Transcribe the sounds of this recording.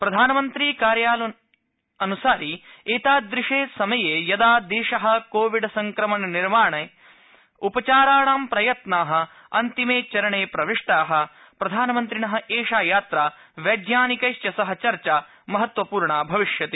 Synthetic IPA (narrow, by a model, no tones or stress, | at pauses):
pɾɐd̪ʱaːnɐmɐnt̪ɾiːkaːɾjaːlɐ | ɐnusaːɾieːt̪aːd̪ɾiʂeːsɐmɐjeːjɐd̪aːd̪eːʃɐɦɐ̆koːʋiɖsɐŋkɾɐmɐnɐniɾmaːɳɐ | upɐt͡ʃaːɾaːɳaːmpɾɐjɐt̪naːɦɐ̆ | ɐnt̪imeːt͡ʃɐɾɐɳeːpɾɐʋiʂʈaːɦɐ̆ | pɾɐd̪ʱaːnɐmɐnt̪ɾinɐɦɐ̆ʔeːʃaːjaːt̪ɾaː | ʋɐɡjaːnikɐjʃjɐsɐɦɐ̆t͡ʃɐɾt͡ʃaː | mɐɦɐt̪ʋɐpuːɾɳaːbʱɐʋiʂjɐt̪e